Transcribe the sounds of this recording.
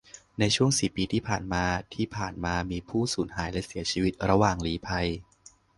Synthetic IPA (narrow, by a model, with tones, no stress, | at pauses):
na˧jt͡ɕʰu˥˩əŋsi˨˩pːiː˧t̪ʰiː˥˩pʰaː˨˩nmaː˧t̪ʰiː˥˩pʰaː˨˩nmaː˧miː˧pʰuː˥˩suː˩˦nhaː˩˦jlɛ˦˥si˩˦ɐt͡ɕʰiː˧wi˦˥t̪̚ɾa˧waː˨˩ŋliː˨˦˥pʰa˧j